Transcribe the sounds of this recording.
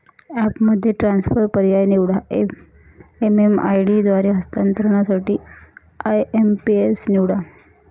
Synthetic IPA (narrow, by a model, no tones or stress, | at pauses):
æpməd̪ʱːjeʈɾansfəɾpəɾjajniʋɽa | emema̰jɽid̪ʋaɾiɦəst̪ant̪ɾəɳ̃jasaʈiː | ajempiesniʋɽa